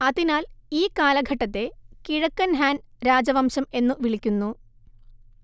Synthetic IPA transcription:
ɐðinaːliːkaːlɐɡʱɐʈːɐt̪ːe̞kiɻɐkːɐnɦaːnɾaːd͡ʑɐʋɐmɕɐme̞nːɨʋiɭikʲːunːu

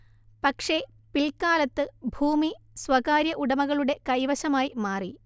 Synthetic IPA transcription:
pɐkʂe | piɭkaːlɐt̪ːɨbʱuːmi | swɐɣaːɾjɐʔuɽɐmɐɣɐɭuɽe̞kɐjʋɐɕɐmaːjimaːri

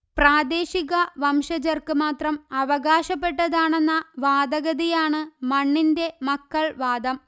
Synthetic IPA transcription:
praːd̪e̞ːɕiɣɐʋɐmʂɐd͡ʑɐrkɨmaːt̪rɐmɐʋɐɣaːɕɐpːe̞ʈːɐðaːɳe̞nːɐʋaːd̪ɐɣɐðijaːɳɨmɐɳːinde̞mɐkːɐɭʋaːd̪ɐm

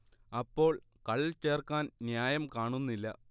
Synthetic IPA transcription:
ɐpːo̞ːɭ | kɐɭt͡ɕe̞ːrkaːnnjaːjɐmkaːɳunːilːɐ

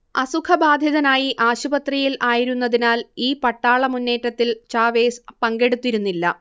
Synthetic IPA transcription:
ɐsukʰɐbaːd̪ʱjɐðɐnaːjiʔaːɕubɐt̪rijilʔaːjiɾunːɐðinaːliːpɐʈːaːɭɐmunːe̞ːtːɐt̪ːilt͡ɕaːʋe̞ːspɐŋɡe̞ɽut̪ːiɾunːilːɐ̰

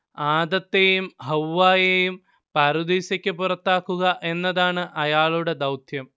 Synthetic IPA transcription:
aːd̪ɐt̪ːejumɦɐwːaːjejum | pɐɾud̪iːsɐkʲːɨpurɐt̪ːaːkːuɣɐʔe̞nːɐðaːɳɨʔɐjaːɭuɽe̞d̪ɐwt̪ʰjɐm

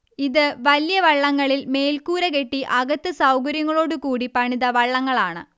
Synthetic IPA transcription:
iðɨʋɐljɐʋɐɭːɐŋːɐɭilme̞ːlkuːɾɐke̞ʈːiʔɐɣɐt̪ːɨsɐwkɐɾjɐŋːɐɭo̞ːɽukuːɽipɐɳiðɐʋɐɭːɐŋːɐɭaːɳɨ̰

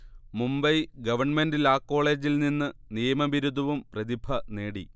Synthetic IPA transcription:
mumbɐjɡɐʋɐrɳmendilaːkːo̞ːɭe̞ːd͡ʑilninːɨnijɐmɐʋiɾud̪ʱɐʋumprɐd̪ibʱɐne̞ːɽi

